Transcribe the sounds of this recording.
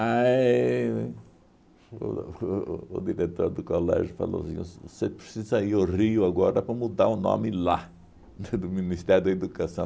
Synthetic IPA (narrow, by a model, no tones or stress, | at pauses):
a | d̪iɾet̪oɾd̪ʊkolɛ̰ʒʊfa̰lo̰sḭ̃ssepɾesizɐiʊriʊaɡɔɾɐpɾɐmud̪aɾʊnõ̰mɪla | d̪ʊminist̪ɛɾjʊd̪ɐed̪ukasɐ̃w̃